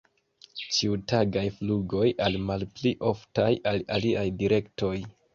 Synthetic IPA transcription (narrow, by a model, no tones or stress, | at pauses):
t͡ʃiutaɡajfluɡo̞jʔalmalpliʔo̞ftajalaliʔajdiɾe̞kto̞j